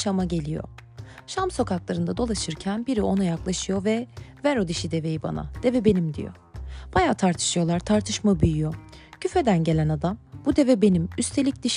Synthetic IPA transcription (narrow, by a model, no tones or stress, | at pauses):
ʃamaɟe̞lʲijo̞̰ | ʃamso̞kaklˠaɾɯnd̪ad̪o̞lˠaʃɯɾcʰænbiɾiʔo̞nujaklˠaʃɯjo̞vɛvæɾo̞d̪iʃid̪e̞ve̞jiba̰na̰d̪̥e̞vɛbe̞nimd̪ḭjo̰ | b̥ajaːt̪ʰaɾt̪ʰɯ̥ʃɯjo̞lˠaɾt̪ʰaɾt̪ʰɯʃmabyjyjo̞ | cʰyfe̞d̪ænɟe̞lʲænad̪ambud̪e̞vɛbe̞nimyst̪ʰe̞lʲic̚d̪̥iʃ